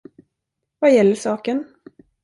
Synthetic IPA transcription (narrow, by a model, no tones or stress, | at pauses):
vajɛlːəʂɑːkən